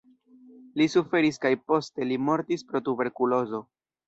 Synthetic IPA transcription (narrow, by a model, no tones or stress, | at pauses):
lisufe̞ɾiskajpo̞ste̞limo̞ɾtispɾo̞tube̞ɾkulo̞zo̞